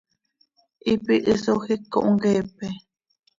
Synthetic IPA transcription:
ʔipiʔɨsohikːo̰ʔuŋɡeːp̚e

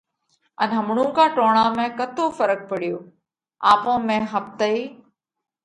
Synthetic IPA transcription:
ənɦəmɳũkãːʈoːɽ̃aːmẽkət̪ʰoːfəɾək̚pəɽɪjoː | aːpõːmẽɦəp̚t̪əiː

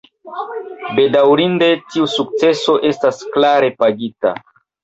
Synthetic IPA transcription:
be̞dawɾinde̞tiusuk̚t͡se̞so̞ʔe̞stasklaɾe̞paɡita̰

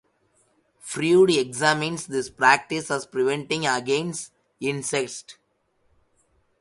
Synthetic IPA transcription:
fɾjuːɖiekzæmɪ̃nsd̪ɪspɾæk̚ʈɪsæzpɾɪʋẽɳʈɪ̃ŋɡəɡẽnsʈ | ɪ̃nseksʈ

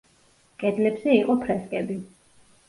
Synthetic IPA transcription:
kʼɛd̪lɛbzɛiqʼɔpʰɾɛskʼɛbi

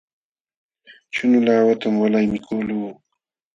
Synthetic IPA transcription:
t͡ʃʊnʊlaːwat̪amwalajmɪkʰuːluː

